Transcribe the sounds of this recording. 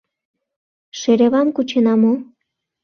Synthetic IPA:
ʃeɾeβɑmkut͡ɕenɑmo

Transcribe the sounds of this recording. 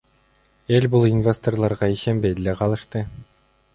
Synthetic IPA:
e̞lʲbulˠinvʲest̪orlˠɑɾʁɑiʃe̞nbe̞jd̪eleqʰɑlˠɯʃt̪ɯ

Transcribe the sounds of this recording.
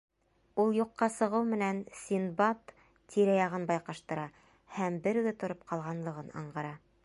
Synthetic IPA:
ulˠjuqːɑsɤ̆ʁɤwmɘ̆nænsʲinbɑt̪ | t̪iɾæjɑʁɤnbɑjqɑʃt̪ɤ̆ɾɑ | hæmbɘɾɡ̪ɘt̪ŏɾop̚qʰɑlˠʁɑnlˠɤ̆ʁɤnɑ̰ɴʁɑɾɑ

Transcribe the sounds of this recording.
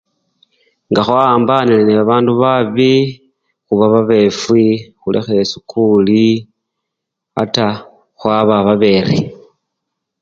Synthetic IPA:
ŋɡaxwaːmbanileneβaβaːnduβaβi | xuβaβaβe̞fwixulʔḛxeesukʰuli | a̰ta | xwaβaβaβe̞ɾḭ

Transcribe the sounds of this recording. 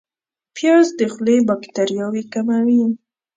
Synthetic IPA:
pjɑzd̪əxlebakt̪aɾijɑwikamawi

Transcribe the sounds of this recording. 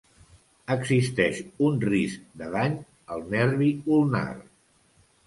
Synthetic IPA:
əɡzist̪ɛʃunrisk̚d̪əðaɲ | əlˠnɛɾβiulˠna̰r

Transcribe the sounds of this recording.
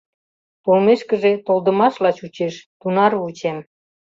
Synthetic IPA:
polmeʃkə̆ʒet̪olˠd̪ə̆mɑʃlɑt͡ɕut͡ɕeʃt̪unɑrvut͡ɕem

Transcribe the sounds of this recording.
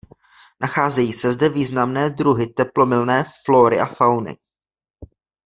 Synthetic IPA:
nʔaxaːzɛjiːsɛzdɛviːznamnɛːd̪ɾuɦɪt̪ɛplo̞mɪlnɛːfloːɾɪʔafawnɪ̰

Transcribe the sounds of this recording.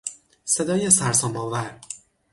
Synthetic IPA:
sed̪ɒːjesæɾsɒmbɒvæɾ

